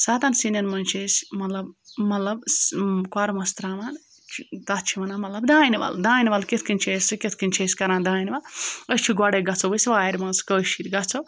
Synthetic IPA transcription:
saːt̪aːnsinɐnmɐnʲt͡ʃʰesʲmɐt̪lɐbmɐt̪lɐbkwaːɾmɐst̪ɾaːʋaːn | t͡ʃt̪ɐt̪t͡ʃʰiʋɐnaːmɐt̪lɐbd̪aːiniʋɐ̰ld̪aːiniʋɐlket̪ʰkɨnʲt͡ʃʰeːsɨkʲet̪ʰkɨnʲt͡ʃʰeːskɐɾãːnd̪aːjniʋɐləʃt͡ʃʰiɡɔɽeɡɐt͡sʰoʋɐsʋaːɐɾʲmɐnskəːʃiɾʲɡɐt͡sʰo

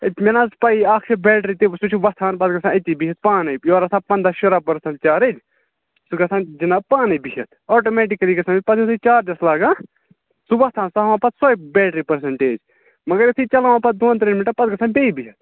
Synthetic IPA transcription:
et̪menaːspaiaːkʰebɛːʈɾit̪esut͡ʃʰuʋɐst̪ʰaːnpɐd̪̚ɡɐsãːɪt̪ʲːibiɦɐt̪̚paːnɐjjoːɾɐsãːpɐnd̪aːʃuɾaːpɐɾsɐ̃ɳʈ̚t͡ʃaːɾeːd͡ʒ | suɡɐsãːd͡ʒinaːpaːnijbiɦɐt̪ʰoːʈoːmɛːʈikɐliːɡɐsãːnipɐt̪osʰit͡ʃaːɾd͡ʒɐslaːɡãː | suʋɐst̪ʰaːnsaɦʋãːpɐt̪sɔːjbɛːʈɾipɐɾs̬ɐɳʈeːd͡ʒ | mɐɡɐɾesʰit͡ʃɐlaʋãːpɐt̪̚d̪oːnt̪ɾenmiʈɐɾpɐd̪̚ɡɐsãːbeibiɦɐt̪̚ʰ

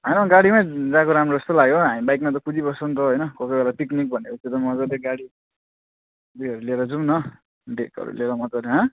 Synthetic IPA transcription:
ɦʌjnʌɡaɽimaj̃d͡zãkoɾamrod͡zʌst̪olaɡjoɦamibajkmat̪̬ʌkʰud͡zibʌsʌnt̪ʌɦʌjnʌkʌkʌjbelat̪iknik̚bʱʌnekʌset̪ʌmʌd͡zʌɾeɡaɽi | d̪ujʌɾuleɾʌd͡zumnʌ | ɖekʌ̰ɾṵleɾʌmʌt̪ʌɾeɦa

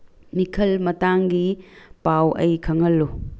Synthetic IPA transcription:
mikʰɐlmɐtaŋɡipawɐ̰jkʰɐŋɐlːu

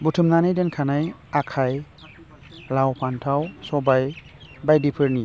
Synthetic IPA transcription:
butʰɯmnanajdenkʰanaj | akʰaj | lawpʰantʰawsɔbaj | bajdipʰɯɾni

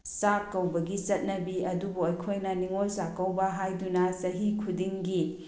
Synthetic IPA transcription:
sakːɐwbɐɡit͡ʃɐt̚nɐbiɐdubuojkʰojnɐniŋolsakɐwbɐɦajdunɐsɐɦikʰudiŋɡi

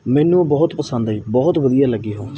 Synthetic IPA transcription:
mɛːnũːbɔːʊt̪pəsənd̪iːbɔːɦʊt̪ʋəd̪ijaːləɡiːɦoː

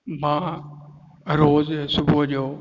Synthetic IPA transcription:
mãː | ɾoːzsʊbʱʊɦʄoː

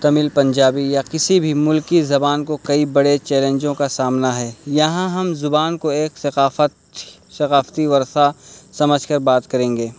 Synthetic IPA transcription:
t̪ɐmɪlpɐ̃ɲd͡ʒaːbijakɪsibʱimʊlkizɐbaːnkokɐibɐɽet͡ʃɛːlẽːɲd͡ʒõkasaːmnaɦɛːjɐɦãɦɐmzʊbaːnkoeːksɐqaːfət̪ | sɐqaːft̪iʋɐɾsasɐməd͡ʒʱkɐɾbaːt̪kɐɾẽːŋɡeː

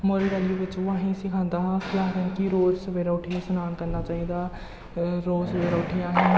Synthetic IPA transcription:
moːɾiːɾaːlijuːʋɪt͡ʃoaːɦĩːsɪkʰãːnd̪aːɦãkɪaːɾənkiɾoːzsəʋeːɾaːʊʈʰisənaːnkəɾnaːt͡ʃaːiːd̪aː | ɾoːsʋeːɾaʊʈʰiːaːɦĩː

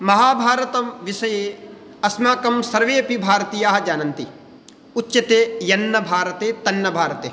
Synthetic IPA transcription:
mɐɦaːbʱaːɾɐt̪ɐmʋɪsɐjeː | ɐsmaːkɐmsɐɾʋeːpibʱaːɾɐt̪iːjaːɦɐd͡ʒaːnɐnt̪i | utːʃɐt̪eːjɐnːɐbʱaːɾɐt̪eːt̪ɐnːɐbʱaːɾɐt̪eː

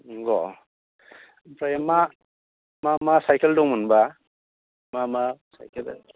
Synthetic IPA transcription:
ɡɔ | pɾajama | mamasajkeldɔŋmunba | mamasa̰jkʰel

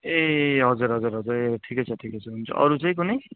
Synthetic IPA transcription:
eɦʌd͡zuɾɦʌd͡zuɾɦʌd͡zuɾeʈʰikʌjt͡sʰʌʈʰikʌjt͡sʰʌɦunt͡sʰʌ̰ʔʌ̰ɾut͡sʌĩk̬unʌj

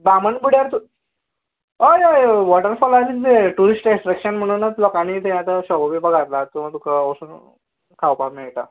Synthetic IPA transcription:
bamənbuɽjaɾt̪u | ojojʋɔʈəɾfɔlaɾid͡zeʈuɾisʈẽsʈɾəkɕənm̤əɽ̃unːat̪lɔkañit̪ʰẽat̪aɕɔɡobibəɡʱat̪lat̪uə̃t̪ukəosun | kʰawpamɛɭʈ̪a

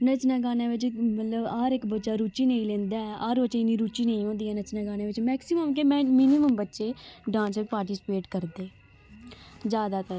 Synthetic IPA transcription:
nət͡ʃnaːɡaːnãːʋɪt͡ʃmət̪ləbaːɾɪkbətːʃaːɾuːt͡ʃiːnəĩlẽːnd̪aːɛaːɾbəːʃeːɪnːĩːɾuːt͡ʃiːnəĩːõːnd̪iːɛːnət͡ʃnaːɡaːnaːʋɪt͡ʃmɛːksiməmkemɛ̃ːmɪniməmbətːʃeːɖãːnsɪpaːɾʈiːsɪ̥peːʈkəɾd̪eː | zjaːd̪aːt̪əɾ

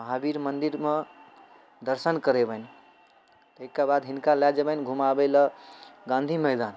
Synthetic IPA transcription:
məɦabiɾmənd̪iɾme | d̪əɾsənkəɾebən | t̪əikːabad̪ɦinkalɛd͡ʒebənɡʱumabeləɡãnd̪ʱiməɦd̪an

